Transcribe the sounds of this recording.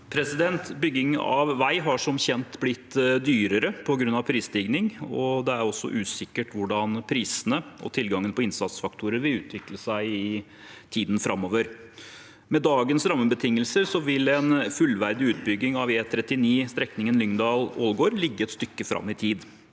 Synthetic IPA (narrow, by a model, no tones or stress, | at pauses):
pʰɾɛsɪd̪ɛnt̪bʏɡːɪŋɑ̰ʋːæɪɦɑʂɔmçɛnt̪blɪt̪ːd̪yːɾəɾəpʰɔɡɾʉnːɑʋpʰɾiːsd̪iɡnɪŋɔd̪ɛæɾɔsːɔ̰ʔʉːsɪkːəʈʋʊɖɑnpʰɾiːsənəʔɔ̰t̪ʰɪlɡɑŋːənpʰɔɪnsɑt̪sfɑk̚t̪ʰuːɾəɾʋɪlʉːt̪ʰʋɪkləsæɪɪ | t̪ʰiːd̪n̩fɾɑmːoːʋəɾ | mɛd̪ɑːɡənsɾɑmːəbət̪ʰɪŋːəlsəɾsɔʋɪlɛnfʉlʋæɾd̪ɪʉːt̪̚bʏɡɪŋɑʋeːt̪ʰɾɛt̪ːɪniːst̪ɾɛknɪŋənlʏŋnd̪ɑːloːlɡoːɾlɪɡːəɛt̪st̪ʏkːəfɾʔɑ̰mːɪt̪ʰiːd̪